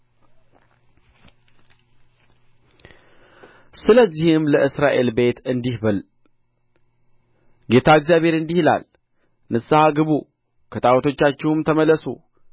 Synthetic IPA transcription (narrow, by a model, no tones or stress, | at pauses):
sɨləzːihɪmləʔɨsɾaʔe̞lbe̞t̪ɨnd̪ihbəl | ɡe̞t̪ʰaɨkzijaβhe̞ɾɨnd̪ihla̰l | nɨsːahaɡɨβu | kʰət̪ʼawt̪ʰo̞t͡ʃːat͡ʃːɛwmt̪ʰəməlːəsṵ